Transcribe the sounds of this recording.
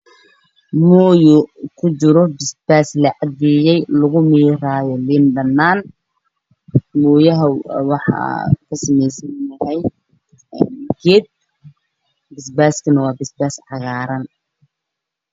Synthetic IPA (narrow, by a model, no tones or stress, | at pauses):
muːjʊkʰʊt͡ʃɪɾɔbɪsb̥aːslɐʕɑd̪ijɛjlʊɣʊmiːɾaːjɔliːnbɐnːaːn | muːjɐɦɐwɑħɑ̰kʰɐsɐmɛjsɐnːɐhɛj | ɡɛd̪̚ | bɪsbaːskʰɐnɐwɑːbɪsbaːsʕɑɣaːɾɐn